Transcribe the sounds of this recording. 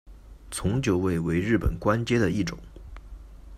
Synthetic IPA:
t͡sʰʊ˧˥ŋt͡ɕjo˧˥ʊwe˥˩ɪwe˧˥ɪɻɻ̩˥˩pə̰˨˩nkwa˥nt͡ɕjɛ˥d̪ə˨i˥˩ʈ͡ʂʊ̰˨˦ŋ

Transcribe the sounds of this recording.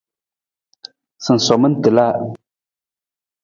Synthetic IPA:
sɨ˨n̩˨sɔ˨mɨ˦n̩˦tɨ˨la˦˨

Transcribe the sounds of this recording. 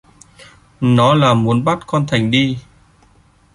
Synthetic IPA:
nɔ˨˦laː˨˩mu˨˦ənɓa˦˥t̚kɔ˧nt̪ʰa˨˩jŋ̟ɗi˧

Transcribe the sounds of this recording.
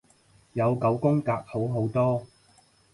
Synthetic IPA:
jɐ˨˧wkɐ˨˥wkʊ˥ŋkaː˧k̚ho˨˥wɦo˨˥wt̪ɔː˥

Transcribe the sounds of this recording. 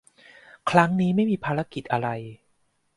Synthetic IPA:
kʰɾa˦˥ŋniː˦˥ma˥˩jmiː˧pʰaː˧ɾa˧˦˥ki˨˩t̪̚ʔa˧ɾa˧j

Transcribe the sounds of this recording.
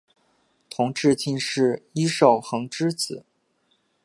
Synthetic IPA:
t̪ʰʊ˧˥ŋʈ͡ʂɻ̩˥˧t͡ɕi˥˧nʂɻ̩˥˩i˥ʂo˥˩ʊxɤ˧˥ŋʈ͡ʂɻ̩˥t͡sɹ̩˨˩˦

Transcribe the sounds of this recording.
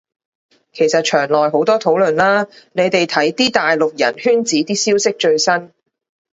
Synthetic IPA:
kʰe˨˩jsɐ˨t̚t͡ʃʰœː˨˩ŋlɔː˨jɦo˨˥wt̪ɔː˥t̪ʰo˨˥wlɵ˨nlaː˥ne˨˧jt̪e˨jt̪ʰɐ˨˥jt̪iː˥t̪aː˨jlʊ˨k̚jɐ̰˨˩nhyː˥nt͡siː˨˥t̪iː˥siː˥wsɪ˥k̚t͡ʃɵ˧ɥsɐ˥n

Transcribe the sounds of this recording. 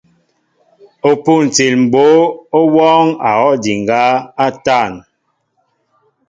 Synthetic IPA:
o˨pu˦˨n˨t͡si˨lm̩˨bo˦o˦wɔː˦ŋa˨ɣɔ˦di˨ŋ˨ɡa˦a˦ta˦˨n

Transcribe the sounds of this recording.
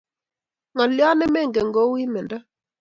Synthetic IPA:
ŋɔ˨ljɔ˦nɛ˦mɛ˦˨ŋɡɛ˨ŋɡo˦wi˦mɛ˨nda˦

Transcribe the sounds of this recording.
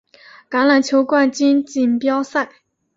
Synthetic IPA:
ka˧˥nla˨˩nt͡ɕʰjo˧˥ʊkwa˥˧nt͡ɕi˥nt͡ɕi˨˩npjɑ˥ʊsa˥˩ɪ

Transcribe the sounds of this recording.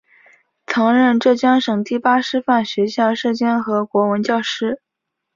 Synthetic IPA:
t͡sʰɑ˧˥ŋɻə˥˧nʈ͡ʂɤ˥˩t͡ɕjɑ˥ŋʂɤ˨˩ŋt̪i˥˩pa˥ʂɻ̩˥fa˥˩nɕɥɛ˧˥ɕjɑ˥˧ʊʂɤ˥˩t͡ɕjɛ˥nxɤ˧˥kwɔ˧˥wə˧˥nt͡ɕjɑ˥˩ʊʂɻ̩˥

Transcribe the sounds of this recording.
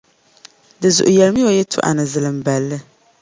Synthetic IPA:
dɨ˨zʊ̰˨ʔʊ˨jɛ˨lmi˦jo˨jɛ˦tʰʊ̰˦ʔa̰˨nɨ˨zɨ˨lɨ˨m˨ba˨lːɨ˦

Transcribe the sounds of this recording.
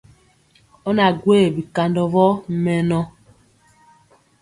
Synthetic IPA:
ɔ˦na˨ɡwe˦˨bi˨ka˨ndɔ˨vɔ˦mɛ˨nɔ˦

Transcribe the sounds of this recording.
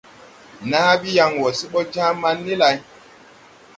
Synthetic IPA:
naː˦bi˦ja˨˦ŋwɔ˨si˦ɓɔ˦d͡ʒa˦ma˦nːi˦la˨j

